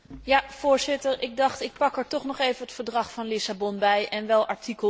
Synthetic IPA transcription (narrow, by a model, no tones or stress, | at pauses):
jav̥ʊːɹzɪtəɹʔɪɡ̚dɑχtɪk̚pɑkɦəɹtɔχnɔχejvənətfəɹdrɑχfɑnlɪsabɔnbɛjʔɛnʋɛlˠɑɹtʰikə